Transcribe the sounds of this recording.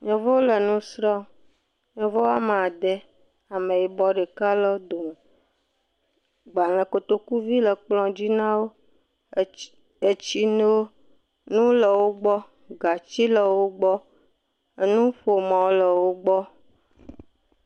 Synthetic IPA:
ɲɔ̃˨vɔ˦wo˦lə˨nũ˦sɾɔ˦ | ɲɔ̃˨vɔ˦a˦me˨a˨d̪ɛ˦ | a˨mẽ˨ji˨bɔ˦ɖɛ˨ka˦lɔ˦d̪o˨me˨ | ɡ͡ba˨lɛ̃˨ko˨t̪o˦ku˦vi˦lə˨k͡plɔ̃˦d͡ʑi˦nã˦wo˦ | e˨t͡ɕi˦no˦o˦ | nũ˦lɛ˨wo˦ɡ͡bɔ˦ | ɡa˨t͡ɕi˦lɛ˨wo˦ɡ͡bɔ˦ | e˦nũ˦ɸo˨mã˨wo˦lɛ˨wo˦ɡ͡bɔ˦

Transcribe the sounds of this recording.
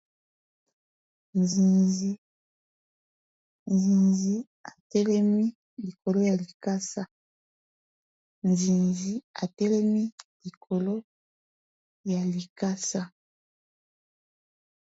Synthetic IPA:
nzi˨nzi˦ | nzi˨nzi˦ | a˨tɛ˦lɛ˦mi˦ | li˨ko˨lo˦ja˨li˨ka˦sa˦ | nzi˨nzi˦a˨tɛ˦lɛ˦mi˦li˨kʰo˨lo˦ | ja˨li˨ka˦sa˦

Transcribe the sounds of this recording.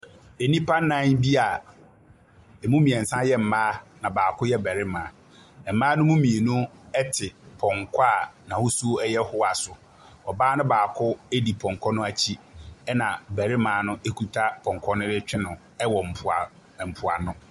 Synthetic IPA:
e˨nĩ˦pʰa˦n˦nã˦nbi˦a˨ | ɛ˨mũ˦mĩ˨ɛ˨n̩˨sã˦jɛ˦m̩˨mãː˦nã˨baː˨kʰʊ˦jɛ˦bæ˨ɾɪ˦mãː˨ | ɛ˨m̩˨mã˦nʊ̃˦mũ˦mĩ˨e˨nũ˦ɛ˦tʰɪ˨pʰɔ̃˨ŋkʰa˦˨nã˨ho˦su˦ɛ˦jɛ˦hʊ˦a˨sʊ˨ | ɔ˨baː˦nʊ̃˦baː˨kʰʊ˦e˦di˨pʰɔ̃˨ŋ˨kʰɔ˦nʊ̃˦a˨t͡ɕʰi˦ɛ˦nã˨bæ˨ɾɪ˦mãː˨˦nʊ̃˦ʔe˦kʰu˦tʰa˦pʰɔ̃˨ŋ˨kʰɔ˦nʊ̃˦dɪ˦t͡ɕᶣɪ˦nʊ̃˨ | ɛ˦wɔ˨m̩˨pʰʊ˨a˨ | m̩˨pʰʊ˨a̰˨nʊ̃˦

